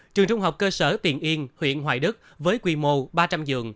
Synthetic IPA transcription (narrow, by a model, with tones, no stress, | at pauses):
t͡ɕɨ˨˩əŋt͡ɕʊ˧ŋ͡mɦa˨˩wk͡p̚kəː˧səː˧˩t̪i˨˩ənʔi˧ənhwḭ˧˨ənɦwaː˧˨˩jɗɨ˦˥k̚ | vəː˨˦jkwi˧˩mo˧˩ɓaː˧t͡ɕa˧mzɨ̰˨˧˨əŋ